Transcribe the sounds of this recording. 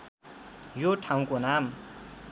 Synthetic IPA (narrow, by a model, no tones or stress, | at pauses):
joʈʰãw̃konam